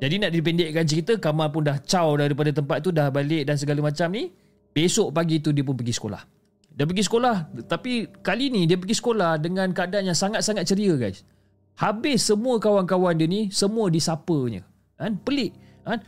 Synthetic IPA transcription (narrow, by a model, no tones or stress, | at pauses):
d͡ʒadinaʔdip̬ɛndɛʔkant͡ʃəɾit̪əkamalpʊndaht͡ʃawdaɾipadat̪əmpat̪̚t̪ːudahbalɪʔdans̬əɡaləmat͡ʃamni | b̥esoʔpaɡit̪udiəp̬ʊnpəɡisə̥kola̰h | diəpəɡisə̥kolaht̪apikalinidiəp̬əɡisə̥kolahdəŋãnkəadanjaŋsaŋat̪̚saŋat̪̚t͡ʃəɾiəɡajs | habɪsːəmũəkawankawandiənisəmuədisapəɲə̰ | anpəlɪʔ | an